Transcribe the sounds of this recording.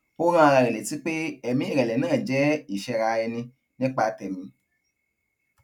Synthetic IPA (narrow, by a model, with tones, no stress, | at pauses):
o˦ɾ̃ã˦a˧ɾa˧ɾɛ˨le˨˦ti˦k͡pe˦ɛ˨mĩ˨˦i˦˨ɾɛ˨lɛ˨˦nãː˦˨d͡ʒɛ˨˦i˦˨ʃɛ˧ɾa˧ɛ˧nĩ˧ | nĩ˦k͡pa˧tɛ˨mĩ˨˧˦